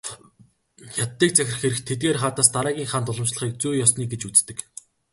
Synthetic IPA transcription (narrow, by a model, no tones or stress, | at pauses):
jat̪ːiːk̚t͡sæxʲɪ̆rχxeɾɘ̆xt̪ʰet̪̚ɡeːrχaːt̪aːst̪aɾæːɣʲiːŋχaːnt̪ʊɮɞ̆mt͡ɕɮə̆χiːk̚t͡sujjɔsniːkɡet͡ɕut͡st̪ɘ̆k